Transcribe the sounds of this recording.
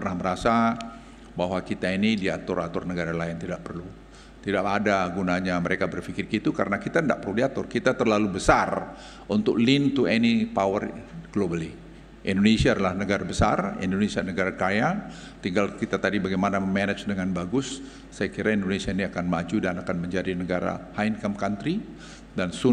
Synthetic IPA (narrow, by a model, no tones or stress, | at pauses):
pərnahməɾasa | baɦwakit̪ainidiat̪ʊrat̪ʊrnəɡaɾalaɪnt̪idaʔpərlu | t̪idaʔadaɡunaɲaməɾekabərfikɪrkit̪ukaɾənakit̪aənda̰ʔpərludiat̪ʊrkit̪at̪ərlalubəsar | ʔunt̪ʊ̰k̚lint̪uɛnipawərɡ̥lobəli | ʔindonesiaːdalahnəɡaɾabəsa̰rḭndonesianəɡaɾakaja | t̪iŋɡalkit̪at̪adibaɡajmanaməmɛnɛt͡ʃdəŋanbaɡʊsː | ajakiɾaindonesiainiakanmad͡ʒudanakanməɲd͡ʒadinəɡaɾa̰haɪnkamkant̪ɾi | dansu